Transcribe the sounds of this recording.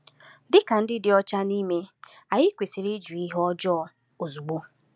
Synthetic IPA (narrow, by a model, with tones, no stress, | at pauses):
dɪ˦ka˨n̩˦dɪ˦dɪ˨ɔ˦t͡ʃa˦ni˦me˦ | a˨jɪ˦kʷe˨si˨ɾi˦d͡ʒu˨i˦ɦɔ˦d͡ʒɔ˦ɔ˨ | o˨zu˨ɡ͡bo˦